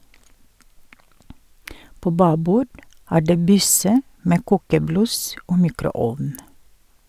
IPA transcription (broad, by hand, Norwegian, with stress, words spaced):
ˈpoː ˈbɑːbuː ˈæː ˈɖeː ˈbʏsə ˈmeː ˈkuːkəˌblʉs ˈoː ˈmiːkɾʊˌɔʋn